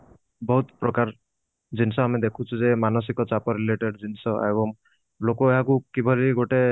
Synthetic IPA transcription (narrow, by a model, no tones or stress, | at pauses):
bɔɦut̪pɾɔkaɾ | d͡ʒinsɔamid̪ekʰũt͡ʃʰuzemanɔs̬ikɔt͡ʃapɔɾileʈeɖd͡ʒinsɔʔḛbɔm | lokɔeakukibʱaliɡoʈe